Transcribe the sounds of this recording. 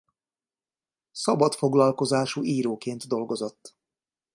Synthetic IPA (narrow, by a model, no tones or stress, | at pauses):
sɒbɒt̪fo̞ɡlɒlko̞zaːʃuːiːɾoːkeːnt̪d̪o̞lɡo̞zo̞t̪ː